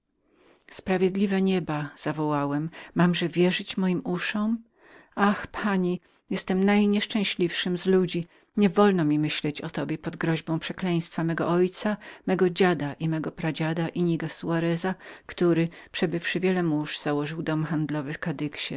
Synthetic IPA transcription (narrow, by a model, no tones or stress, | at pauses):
spɾavʲjɛd̪lʲivɛɲɛbaz̥avɔwawɛmːamʐɛvʲjɛʐɘt͡ɕmɔjimuʂɔ̃m | axpʰaɲi | jɛst̪ɛmnajɲɛʂt͡ʂɛ̃w̃ɕlʲifʂɘmzlud͡ʑi | ɲɛvɔlnɔmʲimɘɕlɛt͡ɕɔt̪ɔbʲjɛpɔd̪ɡɾɔʑbɔ̃w̃pʂɛklɛ̃j̃st̪famɛɡɔ̰ʔɔjt̪samɛɡɔd͡ʑad̪aʔimɛɡɔpɾad͡ʑad̪aʔiɲiɡasuaɾɛzakt̪uɾɘpʂɛbɘfʂɘvʲjɛlɛmuʐz̥awɔʐɨwd̪ɔmxand̪lɔvɘfkad̪ɘkɕɛ